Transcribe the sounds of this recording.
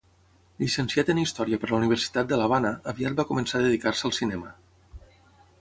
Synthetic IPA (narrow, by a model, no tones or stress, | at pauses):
ʎisənsjat̪ənist̪ɔɾiəpəɾləuniβ̞əɾsi̥t̪at̪̚d̪əlaβ̞anəəβiat̪̚bakumənsaðəðikaɾsəəlˠsinɛmə